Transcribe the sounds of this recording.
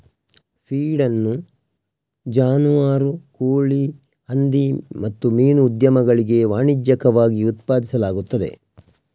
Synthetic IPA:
pʰiːɖɐnːu | d͡ʒaːnuʋaːɾukoːɭi | hɐnd̪imɐt̪ːumiːnuːd̪jɐmɐɡɐɭiɡe̞ʋaːɳid͡ʒjɐkɐʋaːɡiut̪paːd̪isɐlaːɡut̪ːɐd̪e̞̰

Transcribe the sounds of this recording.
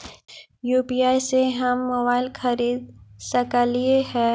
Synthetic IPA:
juːpiaːjseɦɐmːobaːɪlxɐɾiːd̪̚sɐkalieɦɛː

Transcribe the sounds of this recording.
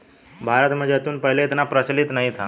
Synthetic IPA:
bʱaɾət̪m̤əd̪d͡zeət̪uːnpəɦleit̪napɾət͡ɕlit̪naɦit̪ʰa

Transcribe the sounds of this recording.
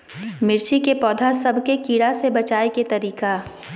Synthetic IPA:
mɪɾt͡ʃikepɔːd̪ʱasɐbʱkekiːɽasebɐt͡ʃaːeket̪ɐɾiːka

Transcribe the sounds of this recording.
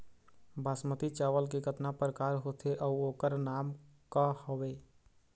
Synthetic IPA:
bʱaːsmət̪it͡ʃaːʋəlk̬eɡət̪napɾəkaːɾɦoːt̪ʰeʔɔoːkəɾnaːmkahoʋeː

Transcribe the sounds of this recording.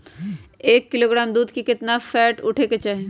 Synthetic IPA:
eːkːɪloːɡɾaːmd̪uːd̪kikɪt̪nafɛːʈʊʈʰeket͡ʃaːɦẽː

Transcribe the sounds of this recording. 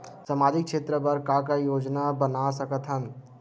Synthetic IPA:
samaːd͡ʒɪkʃeːt̪ɾəpəɾkakajoːd͡ʒnabənasəkət̪ʰɦən

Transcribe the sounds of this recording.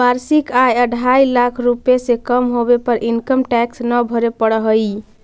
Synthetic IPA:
baɾsikajəɖʱajlakʰɾupesekəmɦobepəɾʔinkəmʈɛksnəbʱəɾepəɽəɦəj

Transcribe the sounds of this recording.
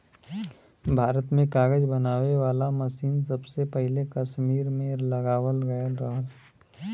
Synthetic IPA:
bʱaːɾət̪mẽkaːɡəd͡ʒbənaːweʋaːlaməsiːnsəbsepəɦɪlekəʃmiːɾmẽlɐɡaːwəlɡəɾaɦl

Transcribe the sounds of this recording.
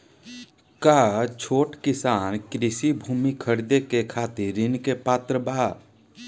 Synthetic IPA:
kaːt͡ʃʰoːʈkɪsaːnkɾɪsibʱuːmikʰəɾd̪ekekʰaːt̪ɪɾɾːɪnkepaːt̪ɾəbaː

